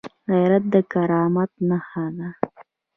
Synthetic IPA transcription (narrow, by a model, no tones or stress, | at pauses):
ɣajɾat̪̚d̪əkaɾɑmat̪̚nahad̪a